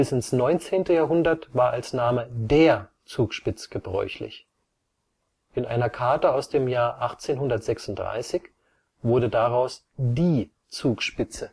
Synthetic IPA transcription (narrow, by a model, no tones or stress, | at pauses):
ɪsɪnsnɔʏnt͡seːntəjaːɦʊndɐtv̥aːɐʔalsnaːmədeːɐ | t͡suːkʃpɪt͡sə̥ɡ̥əbʁɔ̰ʏçlɪ̰ç | ʔɪnʔa̰ɪnɐkʰaɐtəaʊsd̥eːmjaːɐʔaχt͡seːnɦʊndɐtz̥ɛksʊnt̚d̥ʁa̰ɪsɪç | v̥ʊɐdədaʁaʊs | diː | t͡suːkʃpɪt͡sə